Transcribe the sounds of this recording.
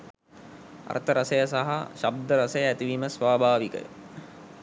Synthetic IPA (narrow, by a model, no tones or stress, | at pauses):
ɐ̰rt̪əɾɐsɐjəs̬aɦaʃab̚d̪əɾɐsɐjəæt̪iʋiːməsʋaːbʱaːʋikə̰